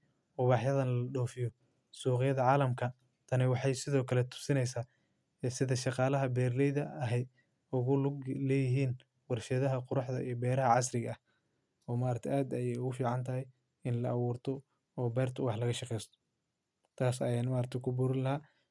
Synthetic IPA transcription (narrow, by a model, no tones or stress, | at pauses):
ʊβɑːħjɐðɐnlɐɖɔːfɪjɔ | suːqɪjɐðɐʕɑːlɐmkʰɐ | t̪ʰɐnɪwɑħɑjsɪðɔːkʰɐlɛt̪ʰʊ̥sɪnɛjsaː | ɛsɪðɐʃɑqɑːlɐɦɐbɛːrlɛjðɐɐɦɛj | ʊɣʊlɛːjɪɦiːn | wɑrʃɐðɐɦɐqʊɾɑħðɐʔijɔbɛːɾɐɦɐʕɑs̬rɪɣɐɐh | ɔːmaːɾɐt̪ʰɛʔaːd̪ɐjɛjʊɣʊfiːʕɑnt̪ʰɐɦɛj | ɪnlɐʔɐwuːrt̪ʰɔ | ɔːbɛːrt̪ʰɐwɑħlɐɣɐʃɑqɛjst̪ʰɔ̥ | t̪ʰaːsɐjaːnmaːɾt̪ʰɛkʰʊbuɾɪnlɐɦaː